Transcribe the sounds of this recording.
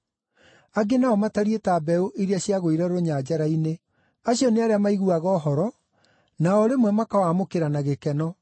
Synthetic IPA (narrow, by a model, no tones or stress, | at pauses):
aɡenaɔmataɾietaːbɛoʔiɾiaɕiaɣoiɾɛɾooɲad͡ʑaɾaine | aɕiɔneaɾeamaiɣuaɣɔɦɔɾɔ | naɔɾemwɛmakawamokeɾanaɣekɛnɔ